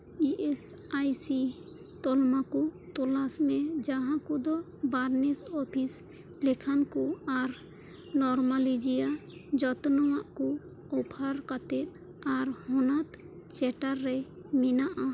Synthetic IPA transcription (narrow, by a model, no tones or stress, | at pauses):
iʔes | ajsi | t̪ɔlmakut̪ɔlasmɛd͡ʒaɦãkud̪ɔ | baɾnɛsɔpʰis | lekʰankɔaɾ | nɔɾmalid͡ʒijad͡ʒɔt̪nɔwaʔkɔ | ɔpʰaɾkat̪ɛt̪̚ | aɾhɔnat̪ | t͡ʃɛʈaɾːɛ | minaʔa